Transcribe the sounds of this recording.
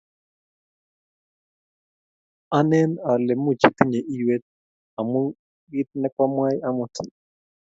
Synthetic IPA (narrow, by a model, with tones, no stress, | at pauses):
a˦nɛ˦na˨lɛ˨mu˦˨t͡ʃi˨t̪i˦ɲɛ˨ʔi˦jwɛ˦t̪̚ | a˨mu˦ | ɡi˦t̪̚nɛ˦kwa˦mwa˦ja˦mu˨tʰi˨